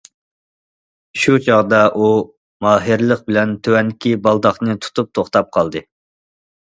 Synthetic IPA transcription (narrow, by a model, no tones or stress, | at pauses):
ʃut͡ʃʰɑʁd̪ɑʔu | mɑːɦɨɾlˠəq̚bɪlɛnt̪ʰøwɛnd̪ɪkʲibɑlˠd̪ɑχnɨt̪ʰu̥t̪up̚t̪ʰoχt̪ɑp̚qʰɑlˠd̪ɨ